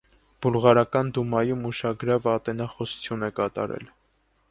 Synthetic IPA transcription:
b̥ulʁɑɾɑkɑnd̪umɑjumuʃɑɡɾɑvɑt̪ɛnɑχɔsu̥t͡sʰjunɛkɑt̪ɑ̰ɾɛ̰l

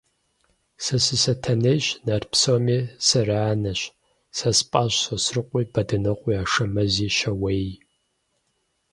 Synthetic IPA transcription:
sɐsɨsɐtʰɐnejɕnɐrpsomiːsɐraːnɐɕ | sɐspʼaːɕsosrɨqʷʼiːbɐdɐnɨqʷʼiaːʂɐmɐziːʃɐwej

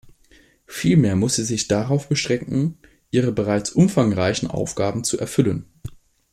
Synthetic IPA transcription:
fiːlmeːɐmʊsz̥iːzɪçd̥aʁaʊfb̥əʃʁ̥ɛŋkŋ̩ | ʔiːʁəbəʁaɪt͡sʔʊmfaŋʁaɪçn̩ʔa̰ʊfɡ̥aːbm̩t͡suʔɛɐfʏlən

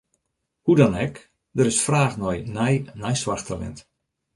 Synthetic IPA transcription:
hudɔnɛk | dəɾɪsfraːxnɔjnɛjnɛjsʋarxtʰalɛ̰nt

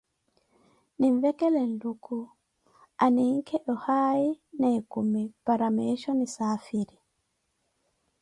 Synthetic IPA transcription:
niɱvɛkɛlɛnduku | aniŋkʰɛʔɔhainɛkumipaɾamɛʃɔnisafiɾi

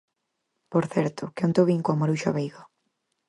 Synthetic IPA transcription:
poɾθɛɾt̪ʊkeunt̪oβiŋkoamaɾuʃa̰βejɣo

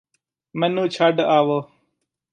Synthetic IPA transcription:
mənũːt͡ʃʰaɖaːʋoː

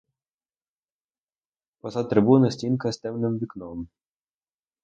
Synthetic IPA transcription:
pɔsat̪ɾɪbunɪsʲtʲinkɐst̪ɛmnɪmʋʲiknɔm

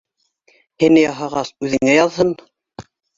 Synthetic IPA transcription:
hinɘjɑɦɑʁɑsʉðɘ̆ŋæjɑðhɤn

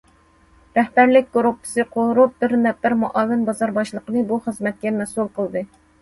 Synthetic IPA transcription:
ɾɛhbæɾlɪk̚ʲkʰːoɾupʰːɨ̥sɨqʰoɾup̚bɪɾnɛp̚b̪æɾmuʔɑːvɪnbɑzɑɾbɑʃlˠəqənɨbuχəzmɛt̪̚kʲɛmɛsulˠqʰəlˠd̪ɨ

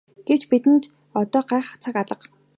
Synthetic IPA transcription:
ɡ̥ew̥t͡ɕpit̪ɘ̆nt̪ | ɔt̪ɔːɢæːχt͡sʰakaɮə̆q

